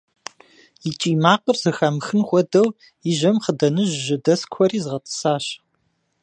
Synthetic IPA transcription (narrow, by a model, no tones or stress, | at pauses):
jit͡ʃʼiːmaːqʷʼrzɨxɐmxɨnχʷɔdɐw | ɪʒɐmχədɐnɨʒʒɐdɐskʷʰɔriːzɨʁɐtʼɨ̥saːɕ